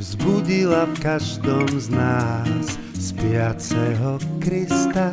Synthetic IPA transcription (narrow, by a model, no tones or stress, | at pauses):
vzbuɟilafkaʒd̪ɔmznaːsː | pɪat͡sɛɦɔkɾist̪a